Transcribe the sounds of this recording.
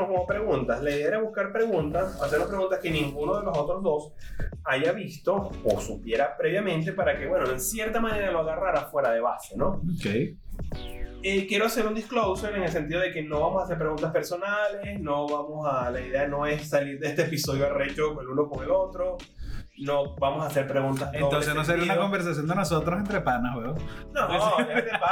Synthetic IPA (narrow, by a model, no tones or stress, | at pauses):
okomopɾe̞ɣunt̪aslaiðeeɾaβuskaɾpɾe̞ɣunt̪asaseɾnopɾeɣunt̪aske̞nĩŋɡuno̞ð̞e̞lo̞so̞t̪ɾo̞zðo̞s | aʝaβist̪o̞osupje̞ɾapɾe̞βjamẽ̞nt̪e̞paɾake̞βwe̞noeŋsje̞ɾt̪amane̞ɾaloaɣaraɾafwe̞ɾaðe̞βaseno̞okej | ekje̞ɾoase̞ɾund̪isklowsoeŋeŋe̞ls̬e̞nt̪iðo̞ðe̞ke̞no̞βamo̞saseɾp̬ɾe̞ɣunt̪aspeɾso̞nale̞sno̞βamo̞salaiðe̞ano̞e̞ssaliɾðeest̪eepiso̞ðjoaret͡ʃokoeluno̞koŋe̞lo̞t̪ɾo | no̞bamo̞saːse̞ɾpɾe̞ɣunt̪asenot̪ons̬enos̬eɾiaunakombeɾs̬as̬jo̞nd̪enosot̪ɾosent̪ɾepanaβeo | noet̪ea